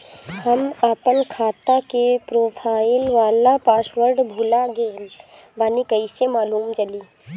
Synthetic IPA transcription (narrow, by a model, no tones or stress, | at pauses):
hɐmapənkʰaːt̪akepɾoːpʰaːɪlʋaːlapaːsʋəɾɖbʱulaɡe | baːnikɐɪsemaːluːmt͡ʃɐliː